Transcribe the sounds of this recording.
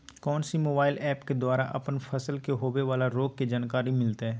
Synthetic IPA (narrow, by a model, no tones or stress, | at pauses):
kɔːnsimoːbaːɪlɛːpked̪waːɾaʔɐpənfʰɐsəlkeɦoːʋeʋaːlaɾoːɡ̚ked͡ʒaːnkaːɾimɪlt̪eɦɛ̃ː